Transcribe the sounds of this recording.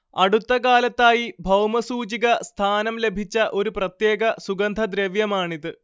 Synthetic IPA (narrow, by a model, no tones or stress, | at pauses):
ɐɽut̪ːɐkaːlɐt̪ːaːjibʱɐwmɐsuːt͡ɕiɣɐst̪ʰaːnɐmle̞bʱit͡ɕːɐʔo̞ɾuprɐt̪je̞ːɡɐsuɡɐnd̪ʱɐd̪ɾeʋjɐmaːɳiðɨ